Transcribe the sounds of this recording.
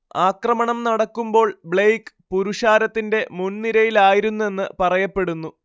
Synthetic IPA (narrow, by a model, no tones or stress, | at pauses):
aːkrɐmɐɳɐmnɐɽɐkːumbo̞ːɭbɭejk | puɾuʂaːɾɐt̪ːinde̞munniɾɐjilaːjiɾunːue̞nːɨpɐrɐjɐpːe̞ɽunːu